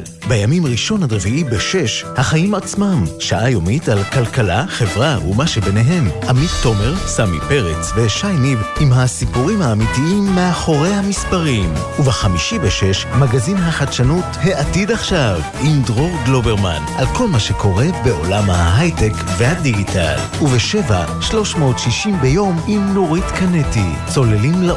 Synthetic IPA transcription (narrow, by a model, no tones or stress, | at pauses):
bejamimʁiʃo̞nad̪ʁeviʔibeʃe̞ʃhaχajimat͡smamʃaʔajomitalkalkalaχe̞vʁaṵmaʃebeneɦe̞mʔamitːo̞me̞ʁsamḭpe̞ʁet͡sve̞ʃajmibimɦasipuʁimhaːmitiimːeaχo̞ʁe̞jhamispaʁim | uveχamiʃibeʃe̞ʃmaɡazinɦaχadʃanutheʔatid̪aχʃav | imd̪ʁo̞ʁɡlo̞be̞ʁma̰nʔalko̞lmaʃe̞kʰo̞ʁe̞be̞ʔo̞lamhaɦajtekvehad̪iɡitʰa̰l | uveʃe̞va̰ | ʃlo̞ʃmo̞ːtʃiʃimbe̞jo̞mimnoʁit̪kaneti | t͡so̞lelimla